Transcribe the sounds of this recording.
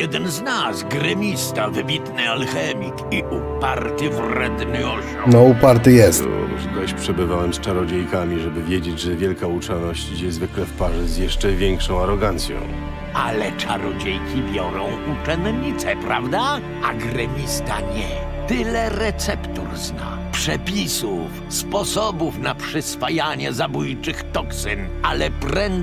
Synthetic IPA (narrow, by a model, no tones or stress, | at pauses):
jɛd̪ɛnznasɡɾɛmʲist̪avɘbʲit̪nɪalxɛmʲikiʔupaɾt̪ɘvɾɛd̪nɪɔɕunɔupaɾt̪ɘjɛst̪ɔ̰ʐt̪ɾaɕpʂɛbɘvawɛmst͡ʂaɾɔd͡ʑejkamʲiʐɛbɘvʲjed͡ʑed͡ʑʐɛvʲjɛlkaut͡ʂɛnɔɕt͡ɕid͡ʑɛzvɘklɛfpaʐɛzʲjɛʂt͡ʂɛvʲjɛŋkʂɔ̃w̃aɾɔɡant̪sʲjɔ̰̃w̃ | alɛt͡ʂaɾɔd͡ʑejkʲibʲjɔɾɔ̃w̃ʔut͡ʂɛnɲit̪sɛpɾavd̪a | aɡɾɛmʲist̪aɲɛ | t̪ɪlɛɾɛt̪sɛpt̪uɾzna̰ | pʂɛpʲisuf | spɔsɔbufnapʂɛsfajaɲɛzabujt͡ʂɘxt̪ɔksɨn | alɛpɾɛn